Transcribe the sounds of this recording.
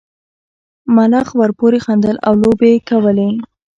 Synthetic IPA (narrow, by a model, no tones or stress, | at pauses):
malɑxwəɾpoɾexand̪əla̰wlobekawəle